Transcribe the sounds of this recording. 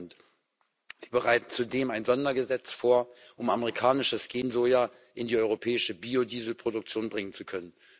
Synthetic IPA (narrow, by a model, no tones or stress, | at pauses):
nt | z̥iːbəʁaɪtn̩t͡sudeːmaɪnzɔndɐɡəzɛt͡sfoːɐʔʊmaməʁikʰaːnɪʃəsɡ̥eːnzoja | ʔɪndiːɔʏʁ̞opʰɛːɪʃəbiːodiːzl̩pʁ̥odʊk̚t͡sjoːnbʁɪŋənt͡sukʰœnən